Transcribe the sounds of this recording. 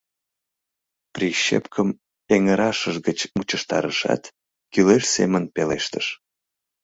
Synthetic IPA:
priɕḛpkʰəm | eŋəɾɑʃəʒɣət͡ɕmut͡ɕəʃt̪ɑɾəʃɑ̰t̪ | kylelʲsemənpeleʃt̪əʃ

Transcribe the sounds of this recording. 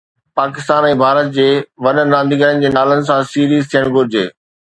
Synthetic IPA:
paːkɪst̪aːnɛ̃ːbʱaːɾət̪̚d͡ʑeːʋɐnənɾãːnd̪ʱiɡəɾənɪ̆d͡ʑeːnaːlənɪ̆sãsiːɾiːzt̪ʰijəɽ̃ɡʱʊɾɪd͡ʑeː

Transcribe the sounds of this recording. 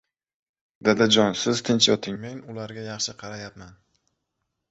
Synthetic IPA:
d̪ad̪ad͡ʒɒnsɪz̥t̪ʰɪnt͡ʃjɒt̪ʰɪŋmeŋʊlaɾɡʲajɑχʃɪqʰɑɾajapman

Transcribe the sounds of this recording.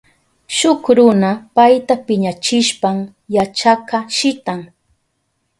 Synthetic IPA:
ʃʊkɾʊnapajt̪apɪɲat͡ʃɪʃpam | jat͡ʃakaʃɪt̪aŋ

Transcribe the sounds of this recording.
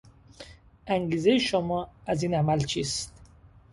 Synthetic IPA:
æŋɡiːze̞jeʃomɒːæziːnæmælt͡ʃʰiːst̪

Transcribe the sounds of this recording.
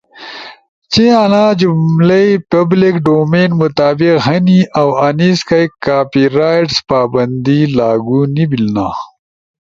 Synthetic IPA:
t͡ɕiɐnaːd͡ʑumlejpɐblikɖoːmeːnmʊt̪aːbiqɦɐniʔɐwɐniskɐjkaːpiɾaːjʈspaːbɐnd̪ilaːɡunibilna̰ː

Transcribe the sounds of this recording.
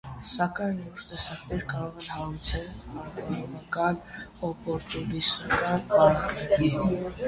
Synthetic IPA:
sɑkɑjnvɔɾt̪ɛsɑknɛɾkɑɾɔʁɛnhɑɾut͡sʰɛlɑɾtɑnɑmɑkɑnɔpɔɾt̪ulisɑkɑnɑɾɑχnɛɾi

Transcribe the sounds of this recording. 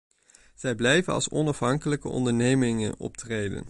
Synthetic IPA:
z̥ɛjblɛjvənɑ̰lˠsɔnɑfɦɑŋkələkə̰ʔɔ̰ndəɹnejmɪŋə̰nɔ̰p̚trejdə̰n

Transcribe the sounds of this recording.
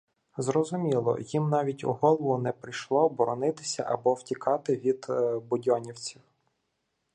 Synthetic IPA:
zrɔzʊmʲilˠɔ̰jimnɑʋʲitʲṵɦɔlˠɔʋʊnɛpɾɪjʃlˠɔbɔɾɔnɪt̪ɪ̥sʲɐ̰ʔɐbɔwtʲikʰɑt̪ɪʋʲid̪bʊdʲɔnʲiwt͡sʲiw

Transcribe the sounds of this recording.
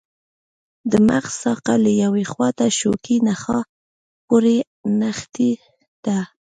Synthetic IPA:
d̪əmaxsɑqaləjawexwɑt̪aʃo̰kinaxɑ | poɾe | naxt̪i | d̪̥a

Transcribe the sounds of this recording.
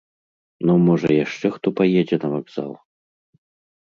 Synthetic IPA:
nɔmɔʐɐ̰jaʂt͡ʂɛxt̪ɔpajɛd͡zʲɛnɐvaɡza̰lˠ

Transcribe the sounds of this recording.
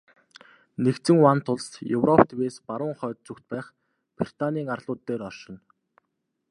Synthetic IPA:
nekt͡sɘ̆ŋwant̪ʰʊɮsjɵwrɔpt̪ʰeweːspaɾʊːŋχœːt̪̚t͡sɵkt̪̚pæːχ | pri̥t̪ʰaniːŋarɮ̥ʊːt̪ːeːɾɔrʃɪ̆n

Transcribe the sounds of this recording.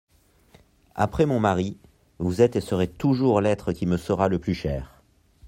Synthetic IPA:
a̰pχɛmɔ̃maʁi | vuzɛt̪esəʁet̪uʒuʁlɛt̪χəkʲiməsəʁaləplyʃɛːʁ

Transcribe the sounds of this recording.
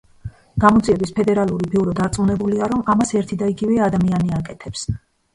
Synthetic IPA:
ɡ̥amɔd̪ziɛbispʰɛd̪ɛɾalˠuɾibiuɾɔd̪aɾt̪sʼunɛbuliaɾɔmamasɛɾt̪ʰid̪aiɡivɛad̪amianiakʼɛt̪ʰɛps

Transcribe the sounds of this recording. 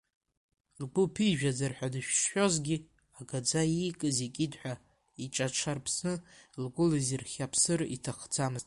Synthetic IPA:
rɡʷʊpʰiʒᶣazarħʷᶣadɨʃᶣʂħʷᶣo̞zɡʲi | aɡad͡zaikʼɨzikʲʼidħʷᶣa | iʈ͡ʂʼaʈ͡ʂʰarpʰsnɨlɡʷʼʊlizirχʲapʰsɨrḭtʰaχd͡zamɨzʼ

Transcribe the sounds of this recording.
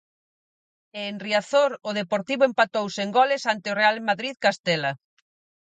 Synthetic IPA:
eːnriaθoɾʊðepoɾt̪iβʊempat̪owseŋɡɔlɪsant̪ɪorealmaðɾiðkast̪ɛla

